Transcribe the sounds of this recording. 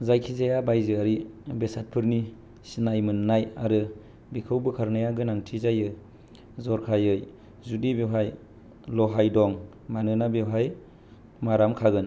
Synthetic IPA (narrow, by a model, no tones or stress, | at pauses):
zajkʰizajabajzɯaɾibesat̚pʰɯɾni | sinajmɯnnajaɾɯ | bikʰɯwbɯkʰaɾnajaɡɯnaŋtʰizajɯ | zɔɾkʰajɯj | zudibewɦaj | lɔɦajdɔŋ | manɯnabewɦaj | maɾamkʰaɡɯn